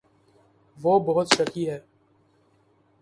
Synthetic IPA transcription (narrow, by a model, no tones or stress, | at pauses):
ʋoːbɐɦʊt̪ʃɐkiɦɛː